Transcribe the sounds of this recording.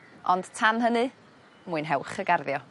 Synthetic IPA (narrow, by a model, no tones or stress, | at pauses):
ɔnd̥tʰanɦənɨ | muːɨnɦɛwχəɡarðjɔ